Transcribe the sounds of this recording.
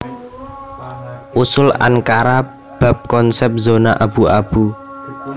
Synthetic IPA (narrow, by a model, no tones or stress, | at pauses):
ʔusʊla̰ŋkaɾa | b̥ä̤p̚kɔnsɛp̚zonaʔab̥uab̥u